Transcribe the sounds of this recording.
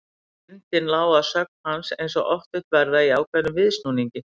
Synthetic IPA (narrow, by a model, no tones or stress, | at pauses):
ɪnt̪ɪnlaːwasœk̚nhansejns̬ɔɣɔft̪ʏht̪vɛɾðaiaːwkʰvɛnːʏmvɪðsnuːniɲcɪ